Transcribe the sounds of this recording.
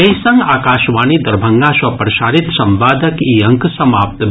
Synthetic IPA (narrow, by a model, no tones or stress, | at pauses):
eɦsɐ̃ŋɡaːkaːʃʋaːnid̪ɐɾbʱɐŋɡasʋɐpɾɐʃaːɾit̪sɐmbaːd̪ʱɐkiːɐ̃ŋksɐmaːp̚t̪